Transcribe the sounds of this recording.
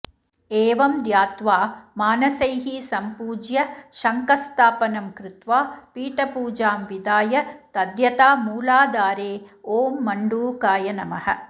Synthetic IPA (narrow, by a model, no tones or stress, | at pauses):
eːʋɐmd̪jaːt̪ʋaːmaːnɐsɐjɦisɐmpuːd͡ʒjɐʃɐŋkɐst̪ʰaːpɐnɐmkɾɪt̪ʋaːpiːʈɐpuːd͡ʒaːmʋid̪aːjɐt̪ɐd̪jɐt̪aːmuːlaːd̪aːɾeːoːmːɐɳɖuːkaːjɐnɐmɐhɐ̰